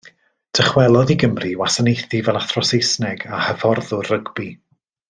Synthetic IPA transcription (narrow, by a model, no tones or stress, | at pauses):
d̥ʰəχwɛlˠɔðiɡəmriwasanejθivɛlˠaθrɔsejsnɛɡahəvɔrðʊrəɡbi